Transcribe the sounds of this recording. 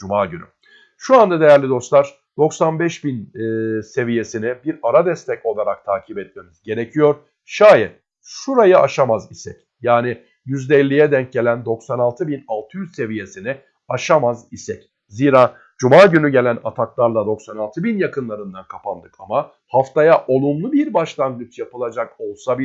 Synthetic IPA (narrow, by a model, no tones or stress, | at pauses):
d͡ʒumaːɟyny̰ | ʃuand̪ad̪e̞jæɾlʲid̪o̞st̪lˠaɾ̥ | d̪̥o̞ksanbɛʃbinːse̞vije̞sinibiɾaɾad̪ɛst̪ʰɛco̞lˠaɾak̚t̪ʰaːcʰibɛt̪̚me̞mizɟe̞ɾe̞cʰijo̞ɾ | ʃaːjɛt̪ | ʃuɾajaʔaʃamazisɛc | jaːnɪ | jyzd̪ɛɛlʲːijɛd̪ɛɲc̚ɟe̞lʲænd̪o̞ksanalˠt̪ʰɯbinalˠt̪ʰɯjyzse̞vije̞sinɪ | aʃamazisɛc | ziːɾaː | d͡ʒumaːɟynyɟe̞lʲænat̪ʰaklˠaɾlˠad̪o̞ksanalˠt̪ʰɯbinjakɯnlˠaɾɯnd̪ankʰapʰand̪ɯkʰama | haft̪ʰajaʔo̞lˠumlˠubiɾbaʃlˠand̪ɯt͡ʃjapɯlˠad͡ʒako̞lˠsabi